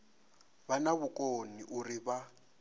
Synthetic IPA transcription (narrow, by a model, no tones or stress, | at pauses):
banaβʊkʼoniʔuriβa